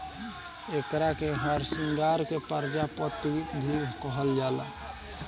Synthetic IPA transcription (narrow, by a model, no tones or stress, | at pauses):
ekɾakeɦəɾsiŋɡaɾkepəɾd͡ʒapət̪ikd̪ʱibkəɦəld͡ʒalə̰